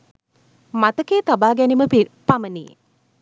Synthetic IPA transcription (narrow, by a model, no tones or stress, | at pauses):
mat̪əkeːt̪abaːɡɛniməpamənijḛ